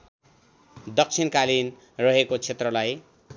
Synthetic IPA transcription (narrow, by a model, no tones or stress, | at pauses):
d̪ʌk̚t͡sʰinkalin | rʌɦekot͡sʰet̪rʌlaj